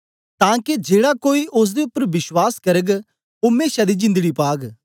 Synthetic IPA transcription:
t̪ãːked͡ʒeːɽakoːiʔʊs̬d̪eʊpːəɾbɪʃwaːskɐɾəɡ | omeːʃad̪iːd͡ʒɪ̃nd̪ɽiːpaːɡ

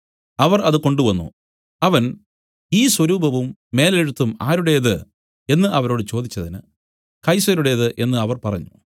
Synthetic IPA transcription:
ɐʋɐrɐðɨko̞ɳɖuʋɐnːṵ | ɐʋɐn | iːswɐɾuːbʱɐʋumːe̞ːleɻut̪ːuma̰ːɾuɽe̞jɐðɨ | e̞nːɨʔɐʋɐɾo̞ːɽɨt͡ɕo̞ːd̪it͡ɕːɐðinɨ̰ | kɐjsɐɾuɽe̞jɐðɨʔe̞nːɨɐʋɐrpɐrɐ̰ɲːu

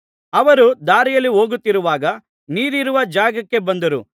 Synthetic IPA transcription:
ɐʋɐɾud̪aːɾijɐlːiɦo̞ːɡut̪ːiɾuʋaːɡɐ | niːɾiɾuʋɐd͡ʒaːɡɐkːe̞bɐnd̪ɐɾu

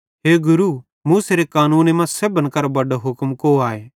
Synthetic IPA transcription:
ɦeːɡʊɾu | muːseɾekaːnuːnemãsebənkɐɾbɐɖoɦʊkmkoaːeː

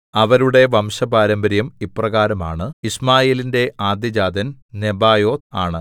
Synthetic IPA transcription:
ɐʋɐɾuɽe̞ʋɐmɕɐbaːɾɐmbɐɾjɐmipːrɐɣaːɾɐma̰ːɳɨismaːjeːlinde̞ʔaːd̪jɐd͡ʑaːd̪ɐnne̞baːjo̞ːt̪aːɳɨ

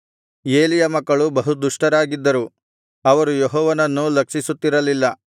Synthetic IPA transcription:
e̞ːlijɐmɐkːɐɭubɐɦud̪uʂʈɐɾaːɡid̪ːɐɾu | ɐʋɐɾujeɦɔːʋɐnɐnːulɐkʂisut̪ːiɾɐlilːɐ

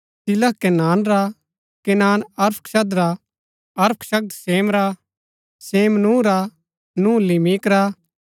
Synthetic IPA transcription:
sɪləɦkɛnaːnɾa | kɛnaːnɐɾpʰʃɐd̪ɾa | ɐɾpʰʃɐk̚d̪seːmɾa | seːmnũːɾa | nũːlimikɾa

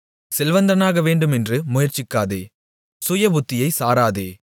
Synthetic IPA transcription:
sɛlʋɐnd̪ɐɐnaːɣɐʋeːɳɖɯmɛndrɯmʊjɐɾt͡ʃɪkːaːðḛː | sʊjɐbʊt̪ːɪjɐɪsaːɾaːðḛː

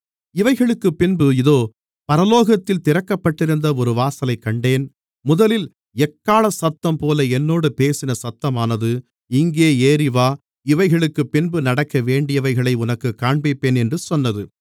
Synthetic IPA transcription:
ɪʋɐɪɣɐɭɯkːɯpːɪnbɯɪðoː | pɐɾɐloːɣɐt̪ːɪlt̪ɪɾɐkːɐpːɐʈːɪɾɯnd̪ɐɔɾɯʋaːsɐlɐɪkːɐɳɖeːn | mʊðɐlɪl | ɛkːaːlɐsɐt̪ːɐmpoːlɐɛnːoːɽɯpeːsɪnɐsɐt̪ːɐmaːnɐðɯ | ɪŋɡeːeːɾɪʋaː | ɪʋɐɪɣɐɭɯkːɯpːɪnbɯnɐɽɐkːɐʋeːɳɖɪjɐʋɐɪɣɐɭɐɪʊnɐkːɯkːaːɳbɪpːeːnɛndrɯsɔnːɐðɯ

